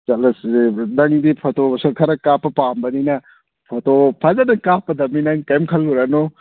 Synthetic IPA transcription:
d͡ʒɐlɐsdɐŋd̪ipʰɔtosɐɾkʰɐɾɐkapːɐpambɐninɐ | pʰɔtopʰazɐnɐkapːɐdɐminɐŋkɐjmkʰɐlːuɾano

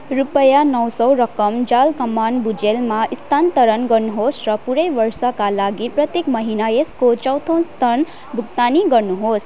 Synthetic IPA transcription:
rupʌjanʌwsʌwɾʌkʌmd͡zalkʌmːanbud͡ʒelmaʔist̪ʰant̪ʌɾʌnɡʌrnuɦosrʌpuɾʌjbʌrsʌkalaɡiprʌt̪jekmʌɦinajeskot͡ʃʌwt̪ʰonst̪ʌn | bʱuɡt̪aniɡʌrnuɦos

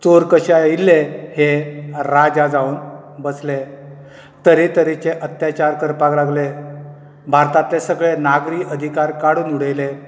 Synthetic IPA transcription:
t͡soɾkəɕailːeheɾad͡zad͡zaun | bəsle | t̪əɾet̪əɾit͡ɕeʔət̪jat͡ɕaɾkəɾpaklaɡle | bʱaɾt̪at̪esəɡɭenaɡɾiːʔəd̪ʱikaɾkaɽuːnuɽəjle

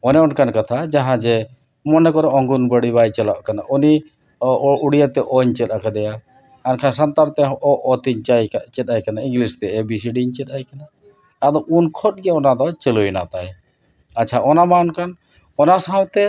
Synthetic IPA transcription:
ɔnɛɔnkankat̪ʰad͡ʒaɦãd͡ʒɛ | mɔnɛkɔɾɛɔŋɡunbəɽibajt͡ʃɛlaʔkanaʔuni | uɽijat̪ɛʔɔɲt͡ʃɛt̪akad̪ɛja | ankʰansant̪aɾt̪ɛɔʔɔt̪iɲt͡ʃajt͡ʃɛt̪ajkanaĩŋɡlist̪ɛɛbisiɖiɲt͡ʃɛt̪ajkana | ad̪ɔʔunkʰɔt̪̚ɡɛaɔnad̪ɔt͡ʃelojna̰t̪aj | atːt͡ʃʰaʔɔnamaɔnkan | ɔnasaw̃t̪ɛ

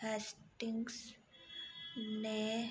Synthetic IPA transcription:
ɛsʈiŋɡs | ne

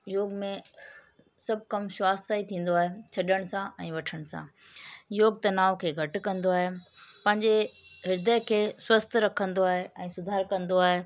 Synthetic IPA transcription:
joːɡmẽ | sɐb̚ʱkɐmʃwaːsaːit̪ʰĩːn̆d̪oaːɦet͡ɕʰɐɗəɽ̃sãʔɛ̃ːʋɐʈʰəɽ̃sã̰ː | joːɡ̚t̪ɐnaːʋkʰeːɡʱɐʈ̆kɐ̃nd̪oaːɦe | pɐ̃ɦɪɲd͡ʑe | ɦɪɾd̪əjkʰeːswɐst̪ʰɾɐkʰə̃nd̪oaːɦeʔɛ̃ːsʊd̪ʱaːɾkɐ̃nd̪oaːɦeː

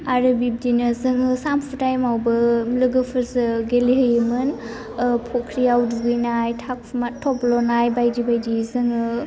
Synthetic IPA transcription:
aɾɯbib̚dinɯzɯŋɯsampʰutajmawbɯmlɯɡɯpʰɯɾzɯɡeliɦəjɯmɯn | pʰɔkʰɾijawduɡɯjnajtʰak̚pʰmatʰɔplɔnajbajdibajdizɯŋɯ

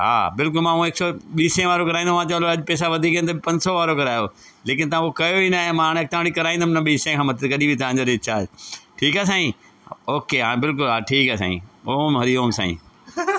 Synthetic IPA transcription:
ɦa̰ːbɪlkʊlmãːũeksɔɓiːsẽʋaːɾokɐɾaːĩnd̪omãt͡ɕɐʋloɐʄpɛːs̬aʋɐd̪ʱiːkẽnt̪ɐbpɐ̃ɲd͡ʑsɔʋaːɾokɐɾaːjoː | leːkɪnt̪ɐʋãokɐjoinaːɦẽmãːɽ̃ek̚t̪ɐʋãːɽ̃ikɐɾaːĩnd̪əmɪnɐɓiːsẽkʰãːmɐt̪ʰəkɐɗibʱit̪ɐʋ̤ãːɲd͡ʑoɾet͡ɕaːd͡ʑʈʰiːkaːs̬ãːĩ | oːkeɦaːbɪlk̬ʊlɦaːʈʰiːkaːsa̰ːḭ̃oːmɦɐɾioːmsã̰ːḭ̃ː

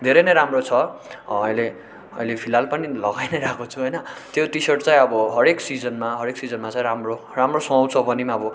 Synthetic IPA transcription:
d̪ʱeɾʌjnʌjɾamrot͡sʰʌʌjle | ʌ̰jlepʰilalpʌnilʌɡajnʌjɾakot͡sʰuɦʌjnʌt̪jot̪isʌrʈt͡saj̃ʌbʌɦʌɾeksid͡zʌnmaɦʌɾeksid͡zʌnmat͡sãĩɾamro | ramrosʌ̃ʌwt͡sʰʌbʌnimaʌbʌ

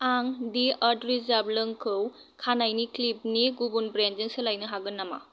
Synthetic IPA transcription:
aŋdiatɾizablɯŋkʰɯw | kʰanajniklip̚niɡubunbɾend͡ʒɯŋsɯlajnɯɦaɡɯnːama̰

